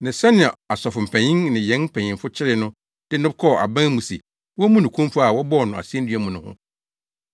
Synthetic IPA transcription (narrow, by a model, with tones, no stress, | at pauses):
nɪ̃˨sɛ˦nɪ̃˨a˨a˨sɔ˨fʊ˨m̩˨pʰæ̃˨ɲɪ̃˦ŋnɪ̃˨jɛ̃˨˦nm̩˦pʰæ̃˨ɲɪ̃˨mfʊ˦t͡ɕʰɪ˦ɾɪ˦nʊ̃˦ | d̥ɪ˦nʊ̃˦bkʰɔ˦˨ʔa˨bã˦mũ˨sḭ˨ | wɔ˦mũ˦nʊ̃˨kʰũ˦m˦fʊ˦a˨wɔ˦bɔ˦˨nʊ̃˨a̰˨si˦ɛ̃˦n˦dɥæ˦mũ˨nʊ̃˨hʊ̰̃˦